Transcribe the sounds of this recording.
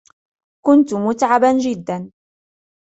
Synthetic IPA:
kʊnt̪ʊmʊt̪ʕaband͡ʒɪd̪ːan

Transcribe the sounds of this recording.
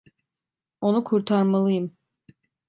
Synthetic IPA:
onukʰuɾt̪ʰaɾmalˠɯjɯm

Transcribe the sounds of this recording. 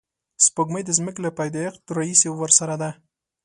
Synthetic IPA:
spəɡməjd̪əzməklapajd̪ejaqt̪əɾaisewəɾsaɾad̪a

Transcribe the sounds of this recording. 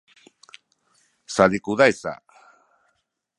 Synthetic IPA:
salikuðajsa̰

